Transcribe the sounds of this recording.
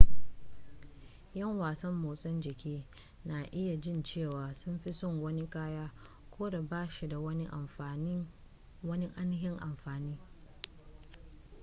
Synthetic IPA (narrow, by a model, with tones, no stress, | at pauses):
jɐ˦˨ŋwaː˨sɐ˦mːoː˨sʼɐ˦nd͡ʒɪ˨kʲiː˦ | na˨ʔɪ˦ja˨d͡ʒɪ˦˨nt͡ʃeː˦˨waː˨sʊ˦mɸi˦sʊ˦˨ŋwɐ˦ni˦kaː˦jaː˦ | kʷoː˦da˨baː˦ʃi˨da˨wɐ˦n˦ʔ | wɐ˦ni˦ʔa˦n˦ɦɪ˦ŋʔa˨mɸaː˨niː˦